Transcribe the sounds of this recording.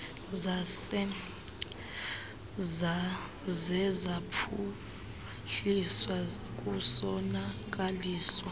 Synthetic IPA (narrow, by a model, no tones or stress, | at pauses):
zasɛ | zɛzapʰu | ɬiswak̬ʼusɔnak̬aliːswa